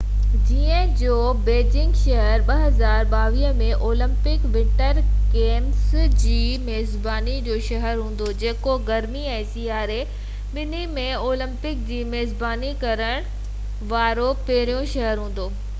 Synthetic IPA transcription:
d͡ʑiːə̃d͡ʑoː | beːd͡ʑɪ̃ŋɡʃɐɦəɾɓɐɦɐzaːɾɓaːʋiːɦəmẽʔoːlə̃mpɪkʋɪ̃ɳʈəɾkeːmsd͡ʑiːmeːzbaːnid͡ʑoːʃɐɦəɾɦũːn̆d̪od͡ʑeːkoɡɐɾmiɛ̃ːsiːaːɾe | ɓɪnimẽoːlə̃mpɪk̚d͡ʑiːmeːzbaːnikɐɾəɽ̃ | ʋaːɾopeːɾijõʃɐɦəɾɦũːn̆d̪oː

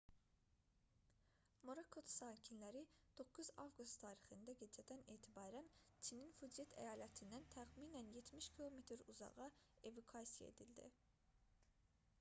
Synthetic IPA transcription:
moɾokʰot̪saːcʰinlæɾid̪̥o̞kʰːuzɑ̰vɡust̪ʰːɑːɾiχɯnd̪ɑɟe̞d͡ʒɛd̪æneːt̪ʰibɑːɾænt͡ʃʰininfud͡ʒet̪ʰæ̰jɑːlæt̪ʰind̪ænt̪ʰæχmiːnænjet̪miʃcʰilˠomet̪ʰɾuzɑ̰ʁɑ | e̞vukʰaːsija̰ḛd̪ilʲd̪ḭ

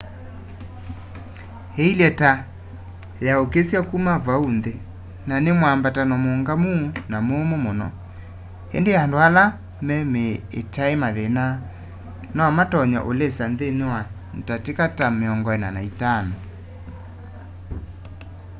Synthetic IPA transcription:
heilɛta | jaokesjakumavaunðe | nanemwambatanɔmoŋɡamunamomomonɔ̰ | ḛndeandoala | mɛmeḛtaemaðena | nɔmatɔɲɔ̰ʔolesanðenewa | n̩tatekatameɔŋɡɔɛnanaitanɔ

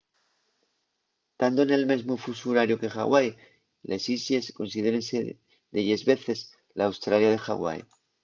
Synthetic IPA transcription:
t̪and̪oene̞lme̞zmofusuɾaɾjoke̞xa̰ɣwaj | lʔesisje̞sko̞nsið̞e̞ɾense | d̪eʝe̞zβe̞θe̞s | laːwst̪ɾaljað̞e̞xa̰ɣwa̰j

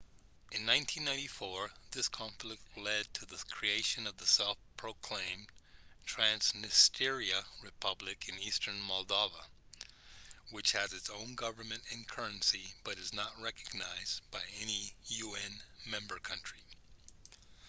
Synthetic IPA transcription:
ʔɨ̃nːãɪ̃ntʰĩnːãɪ̃ntifɔɹðɪskʰɑ̃ɱflɪk̚tʰˡlɛd̚tʰɨðɨkʰɹ̥ieɪʃɨ̃nʌvðəsɛlˠfpʰɹ̥oʊkʰl̥ẽɪ̃mtʰɹ̥æ̃nsmɨstʰɪɹiɨɹɨpʰʌblɨkʰɨ̃nistʰə̃˞nmɑlˠdoʊvə | wɨt͡ʃhɨzɨtsõʊ̃nɡʌvə˞mɨ̃ntɨ̃nkʰɜ˞ɨ̃nsib̥ʌɾɨznət̚ɹɛkɨɡ̚naɪzbaɪɛnijʉɛ̃nmɛ̃mbə˞kʰʌ̃nt͡ʃɹ̥i

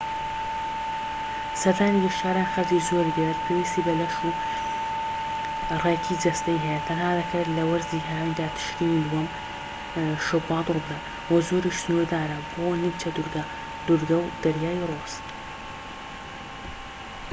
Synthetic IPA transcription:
sɐd̪aːnijiʃaːɾaːnxɐld͡ʒiːzoːɾɡɛt̪pʰewiːst̪iːbɐlɐʃuː | rekʰiːd͡ʒɐst̪ɐjɦɛjɛt̪ʰɐnhaːd̪ɐkʰɐt̪lɐwɐɾziːɦaaːnid̪aːt̪ʰɨ̥ʃɾiːnilwɐm | ʃʊbɑːd̪ɾbd̪ɐ | wɐzoːɾiːʃsnuɾd̪aːɾɐboːnɨmt͡ʃɐd̪ɾɡa | d̪̥uɾɡɐwd̪̥ɐɾjaːjroːs

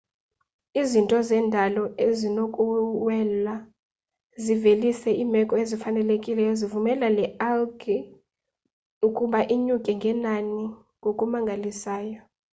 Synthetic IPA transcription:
izintʼɔzɛːndʱalɔezinokʼuwɛla | zivelisɛʔiːmɛkʼɔezifanɛlekʼilɛjɔzivumɛlalɛalɡi | ukʼuɓaʔiɲukʼɛŋɡʱɛnani | ŋɡʱokʼumaŋɡʱalisaːjɔ

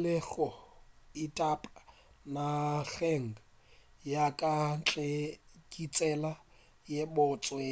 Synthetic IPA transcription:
lɛɣɔitʼapʼa | naɣeŋ̩a | jakʼan̩t͡ɬʼekʼit͡sʼɛla | jebʊt͡sʼweː

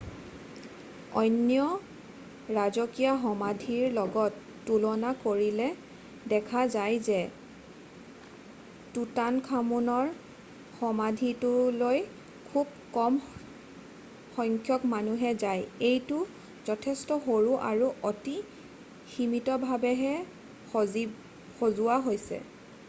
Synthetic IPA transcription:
ɔ̰jnjɔ | ɹazɔkijaɦɔmadʱiɹlɔɡɔtː | ulɔnakoɹilɛ | dɛkʰazajzɛ | tutankʰamunɔɹ | xɔmadʱitʊloj | kʰub̚ | kɔm | xɔŋkʰjɔkmanuɦɛzajejtʊ | zɔtʰɛstɔxoɹuʔaɹuʔoti | ximitɔbʱabɛɦɛ | xozuwaɦojsɛ̰

